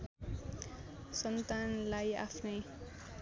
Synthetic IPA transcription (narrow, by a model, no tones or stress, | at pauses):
sɔnt̪anlaja̰fnij